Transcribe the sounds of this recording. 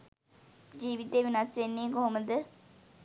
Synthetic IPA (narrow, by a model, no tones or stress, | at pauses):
d͡ʒiːʋit̪eːʋɪnaːseːniːɡoɦməd̪